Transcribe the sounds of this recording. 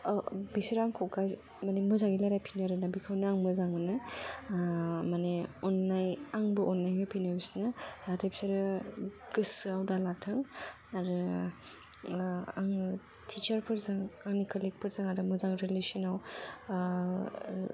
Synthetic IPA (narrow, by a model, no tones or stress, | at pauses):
bisiɾaŋkʰɔwkaj | manemɯzaɡilaɾajpʰinɯɾɯnabikʰɯwnɯaŋmɯzaŋɯnɯ | maneɔnːajaŋbɯʔɔnːajbɯpʰinɯbisnɯd̥atʰajbi̥saɾɯɡ̥ɯsɯawdalatʰɯŋ | aɾɯ | aŋ | tʰit͡ʃɐɾpʰɯɾzaŋanikʰalik̚pʰɯɾzaŋaɾɯmɯzaŋɾelisinaw